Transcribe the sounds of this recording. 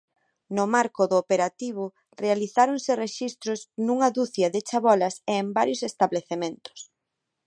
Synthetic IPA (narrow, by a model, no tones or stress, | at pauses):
nʊmaɾkʊðʊːpeɾat̪iβ̞ʊ | realiθaɾoŋsɪreʃist̪ɾʊsnuŋɐðuθjɐðɪt͡ʃaβɔlɐseːmbaɾjʊsest̪aβleθemẽnt̪ʊ̥s